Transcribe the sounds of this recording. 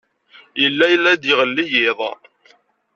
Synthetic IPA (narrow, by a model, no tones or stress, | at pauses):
jəlːæjəlːæd̪ɪʁəlːijɪðˤ